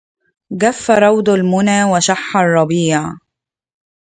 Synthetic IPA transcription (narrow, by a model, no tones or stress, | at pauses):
ɡafːaɾˤɑwd̪almʊnaːwɪʃaħːarˤːɑbiːʕ